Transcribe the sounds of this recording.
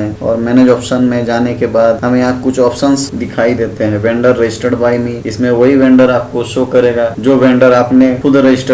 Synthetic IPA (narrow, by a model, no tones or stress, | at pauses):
ɛɔ̰ːɾmɛːneːd͡ʒɔːpʃənmẽd͡ʒaːnekebaːd̪ɦɐmẽaːp̚kʊt͡ʃʰɔːpʃənsd̪ɪkʰaːid̪eːt̪eɦɛ̃ʋɛ̃ːɳɖəɾːɐd͡ʒɪsʈeɖbaːimĩɪsmẽʋɐɦiʋɛ̃ːɳɖəɾaːp̚koʃoːkɐɾeːɡaːd͡ʒoːʋɛ̃ːɳɖəɾaːpnekʰʊd̪ɾɐd͡ʒɪsʈ